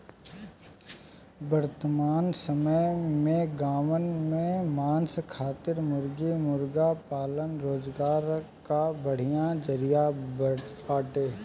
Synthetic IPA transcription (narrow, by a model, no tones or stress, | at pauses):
bəɾt̪maːnsəməjmẽɡaːmənmẽmaːnskʰaːt̪ɪɾmʊɾɡimʊɾɡapaːlənɾoːzɡaːɾ | kabəɽ̤ijãd͡ʒəɾija | aːʈeː